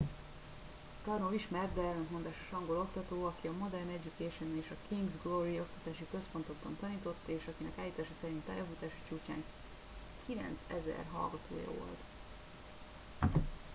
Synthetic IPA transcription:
k̪ɒrnoviʃmɛrt̪d̪ɛɛlːɛnt̪mo̞nd̪aːʃo̥ʃɒŋɡo̞lo̞kt̪ɒt̪oːɒkiɒmo̞d̪ɛrnɛɟːukɛʃo̞neːʃɒkʰiŋɡzɡloɾio̞k̚t̪ɒ̥t̪aːʃikø̞spo̞nt̪o̞ɡ̚bɒnt̪ɒniːt̪o̞t̪ːeːʃɒkinɛkaːljiːt̪aːʃɒsɛɾint̪ːajɒfut̪aːʃi̥t͡ʃuːt͡ʃa̰ːŋ | kʰilɛ̰nt̪sɛ̰zɛ̰rɦɒ̰lɡɒt̪ʰo̰ːjɒ̰o̰lt̪

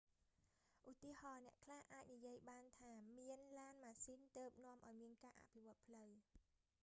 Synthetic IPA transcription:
ʔut̪iəhɑːnɛ̆əʔkʰlahʔaːc̚nijiəjɓaːnt̪ʰaːmiənlaːnmaːsiːnt̪əːp̚nŏəmʔaɔjmiənkaːʔa̰pʰiʋŏət̪̚pʰləw

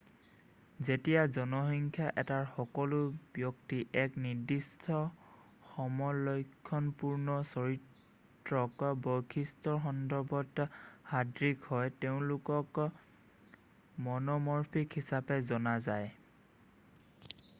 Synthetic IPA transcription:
zetijazɔnɔɦɔŋkʰjaʔɛtaɹxɔkɔlʊbjɔk̚tiʔɛkniɹdistʰɔ | xɔmɔjlɔjkʰːɔnpuɹnɔsɔɹit | ɹɔkbojkʰistɔɹxɔndɔɹbɔthadɹikhɔjteʊ̃lʊkɔk | mɔnɔmɔɹpʰikhisapɛzɔnazaj

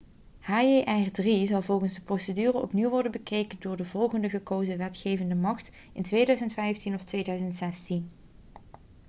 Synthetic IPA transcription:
haːeʔɛrdrizɑlˠvɔlˠχənzdəprowsədyːrəʔɔpniwʋɔɹdənbəkejkəndʊːɹdəvɔlˠχəndəɣəkowzəʋɛtχeːjvəndəmɑχt | ɪ̰ntʋejdœɥzəntfɛjftinɔftʋejdœɥzəntsɛstin

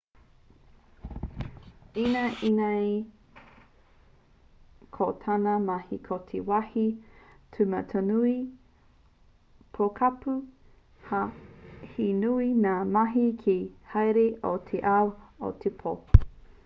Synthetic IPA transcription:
inɐʔinaj | kʰotʰanɐmɐhikʰot̪ʰewahitʰʉmɐtʰonui | pʰokʰapu | hahinuinaːmaɦikʰihɐjɾeʔotʰeʔawo̰tʰepʰo

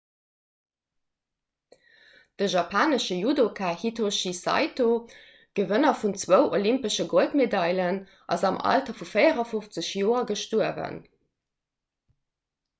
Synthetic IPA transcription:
d̥əʒɑpʰaːnəʃəjudokʰaːhitʰoʃisɑ̰ɪto | ɡ̥əvənɐfunt͡swəʊʔolimpəʃəɡoltmedɑjlən | ʔɑ̰zɑmʔɑ̰ltɐfufəɪəʁɐfuft͡səɕjoːɐɡəʃtuəvə̰n

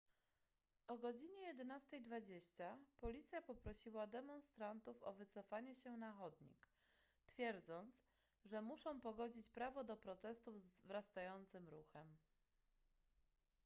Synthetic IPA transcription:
ɔɡɔd͡ʑiɲɛjɛd̪ɛnast̪ɛjd̪vad͡ʑeɕt͡ɕapɔlʲit̪sʲjapɔpɾɔɕiwad̪ɛmɔ̃nst̪ɾant̪ufɔ̰vɘt̪sɔfaɲɛɕɛnaxɔd̪ɲḭk | t̪fʲjɛɾd̪zɔnt̪s | ʐɛmuʂɔ̃w̃pɔɡɔd͡ʑit͡ɕpɾavɔd̪ɔpɾɔt̪ɛst̪uvzvɾast̪ajɔnt̪sɘmɾuxɛm

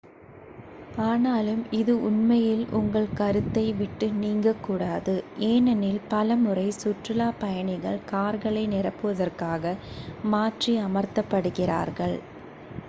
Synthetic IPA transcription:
aːnaːlɯmɪðɯʊnmɐjɪlʔʊŋɡɐɭkɐɾɯt̪ːɐɪʋɪʈːɯniːŋɡɐkːuːɽaːðɯʔeːnɛnɪlpɐlɐmɯrɐɪsʊʈrɯlaːpɐjɐɳɪɣɐɭkaːɾɣɐɭɐɪnɪrɐpːɯʋɐðɐrkaːɣɐmaːʈriɐmɐɾt̪ɐpːɐɽɯɣɪra̰ːɾɣɐɭ

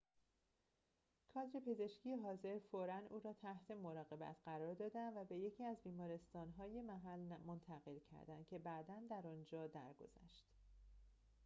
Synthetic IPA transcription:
kʰɒːd̪ɾepʰe̞ze̞ʃcʰijeɦɒːze̞ɾfoɾænuːɾɒːt̪ʰæht̪ʰe̞mo̞ɾɒːɣe̞bæ̰t̪ʰɢæɾɒːɾd̪ɒːd̪ænvæbe̞je̞cʰiːæzbiːmɒːɾe̞st̪ɒːnɦɒːjemæɦælnmont̪ʰæɣe̞lcʰæ̰ɾd̪ænd̪̥cʲʰe̞bæːd̪ænd̪æɾɒnd͡ʒɒːd̪æɾɡo̞̰z̥æ̰ʃt̪

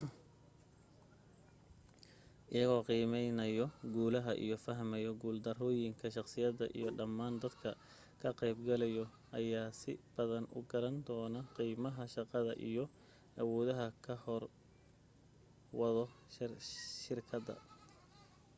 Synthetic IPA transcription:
ʔɪjɐɣɔːqiːmɛjnɐjɔɡuːlɐɦɐʔḭjɔfɐɦmɛjɔɡuːld̪ɐrɔːjɪŋkʰɐʃɑqsɪjɐðɐ̰ʔḭjɔɖɐmːaːnd̪ɐd̪kʰɐ | kʰɐqɛjbɡɐlɛjɔ | ʔɐjaːsɪ̰b̥ɐðɐnʊ̰ɡɐɾɐnd̪ɔːnɐqiːmɐɦɐʃɑqɑðɐʔijɔ | ʔɐwɔːðɐɦɐkʰɐhɔr | wɑðɔ | ʃɪrkʰɐd̪ɐ̰

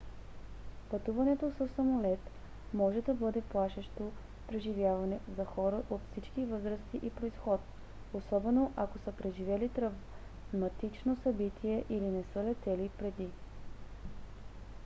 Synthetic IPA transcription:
pɐt̪uvɐnɛt̪osəsːɐmolɛt̪ | mɔʒɛd̪ɐbɤd̪ɛplˠaʃɛʃt̪o | pɾɛʒivjavɐnɛzɐxɔɾəʔot̪fsit͡ʃkivɤzɾəst̪iʔipɾoisxɔt̪̚ | osɔbɛnoʔakosəpɾɛʒivɛlit̪ɾɐv | mɐt̪it͡ʃnosɐbit̪ʰiɛʔilinɛsəlɛt̪ɛlipɾɛd̪i

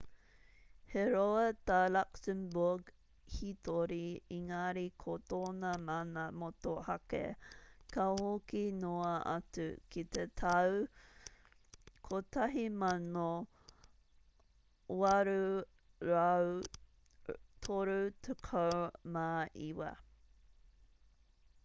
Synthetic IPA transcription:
heɾoɐtalaksəmbuɡ | hitoɾiiŋaɾikʰot̪oːnɐmanamotohɐkḛkɐhokinoɐɐ̰tṵkʰit̪etʰɐw | kʰotɐɦimɐno | wɐɾu | ɾaw | tʰoɾutʰəkʰɐmaʔiwɐ̰

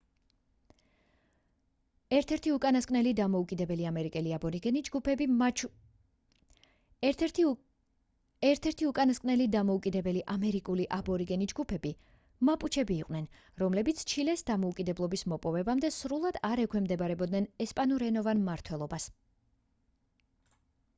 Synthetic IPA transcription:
ɾt̪ʰɛɾt̪ʰiukʼanaskʼnɛlid̪amɔukʼid̪ɛbɛliamɛɾikʼɛliabɔɾiɡɛnid͡ʒɡupʰɛbi | ɛɾt̪ʰɛɾt̪ʰiukʼanaskʼnɛlid̪amɔukʼid̪ɛbɛliʔamɛɾikʼuliʔabɔɾiɡɛnid͡ʒɡupʰɛbi | mapʼut͡ʃʰɛbiːqʼwnɛn | ɾɔmlɛbit̪sʰt͡ʃʰilɛsd̪amɔukʼid̪ɛblˠɔbismɔpʼɔvɛbamd̪ɛsɾulˠad̪aɾɛkʰwɛmd̪ɛbaɾɛbɔd̪nɛnɛspʼanuɾɛnɔvanmːaɾt̪ʰwɛlˠɔbas

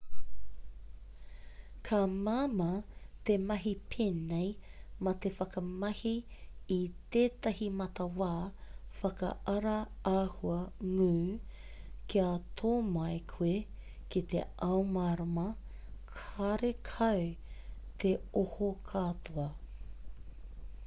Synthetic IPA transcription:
kʰamaːmɐt̪emɐɦipʰeːnejmɐt̪efɐkɐmɐhiː | t̪eːt̪ɐɦimɐt̪ɐwaːfɐkɐ̰ʔɐɾɐ | aːhuɐŋʉː | kʰiat̪ʰoːmajkʰue | kit̪ḛɐwmaɾɐmɐ | kʰaɾekʰɐw | t̪ʰeohokʰat̪ʰoɐ

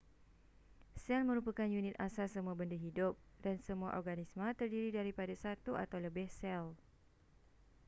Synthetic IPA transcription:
sɛlmə̃ɾupəkanjunĩt̪asasəmũabəndaɦidʊp̚ | dansəmũaʔɔrɡanismə̃t̪ərdiɾidaɾipadasat̪uʔa̰t̪awləbɪhsɛl

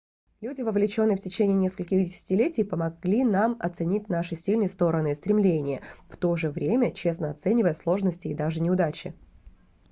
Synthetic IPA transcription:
lʲudʲɪvəvlʲɪt͡ɕo̞nːɨjfʲtʲɪt͡ɕenʲɪːnʲeskəlʲkʲɪxdʲɪsʲɪ̥tʲɪlʲetʲɪjpəmɐɡlʲinamɐ̰t̪sɨnʲitʲnaʂɨsʲilʲnɨəjəst̪o̞ɾənɨɪst̪ɾʲɪmlʲenʲɪjəft̪o̞ʐɨvɾʲemʲət͡ɕe̞snəɐt̪sɛnʲɪvəjəslˠo̞ʐnəsʲtʲɪːd̪aʐɨnʲɪʊd̪at͡ɕɪ̰

